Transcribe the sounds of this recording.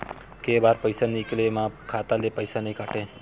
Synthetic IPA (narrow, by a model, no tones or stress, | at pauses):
kebaːɾpəjsaniklemãkʰat̪alepəjsanəikaʈe